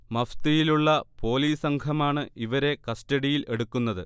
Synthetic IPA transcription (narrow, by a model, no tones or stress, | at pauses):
mɐft̪ijiluɭːɐpo̞ːliːsɐŋɡʰʱɐmaːɳɨʔiʋɐɾe̞kɐstɐɽijile̞ɽukːunːɐðɨ